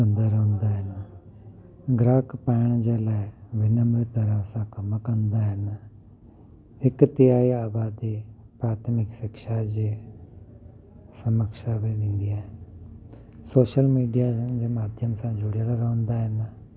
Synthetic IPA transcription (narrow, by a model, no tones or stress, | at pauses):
ə̃nd̪aːɾəɦnd̪aːɦən | ɡɾaːkpɛːɳ̃d͡ʒeːlɛːʋɪnəmɾɪt̪əɾãːsãːkəmakənd̪aːɦən | ɪkt̪ɪjaːiaːbaːd̪iː | pɾaːt̪ʰmɪkʃɪkʃaːd͡ʒe | səməkʃaːbelɪ̃nd̪iaɦ | soːʃəlmiːɖijãːd͡ʒeːmaːd̪ʱjəmsãːd͡ʒʊɽjaɾaɾəɦʊ̃nd̪aːɦən